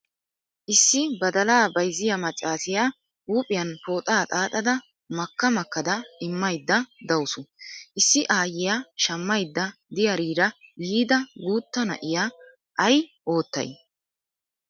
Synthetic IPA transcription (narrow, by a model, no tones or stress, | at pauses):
ʔɪsːɪbɐd̪ɐlaːbɐjzɪjɐmɐt͡sʼːaːsɪjaː | uːpʼɪjɐnpo̞ːt̪ʼaːt̪ʼaːt̪ʼɐd̪ɐ | mɐkːɐmɐkːɐd̪ɐɪmːɐjd̪ːɐd̪ɐwsʊʔɪsːɪʔaːjɪjaʃɐmːɐjd̪ːɐd̪ɪjɐɾiːɾɐjiːd̪ɐɡuːt̪ːɐnɐ̰ʔɪja | ʔɐjʔo̞ːt̪ːɐ̰j